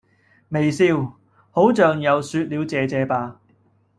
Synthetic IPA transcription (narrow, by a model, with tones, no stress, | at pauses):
me˨˩jsiː˧w | ho˨˥wt͡ʃœː˨ŋjɐ˨˧wsyː˧t̚liː˨˧wt͡sɛː˨˧t͡sɛː˨˧paː˨˧